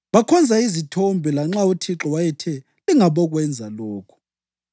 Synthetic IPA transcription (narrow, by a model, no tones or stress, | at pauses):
βakʰɔnd͡zʱaizitʰombʱɛlaŋ͡ǁautʰiǁɔwajɛtʰɛ | liŋaβɔɣwɛnd͡zʱalɔːkʰu̥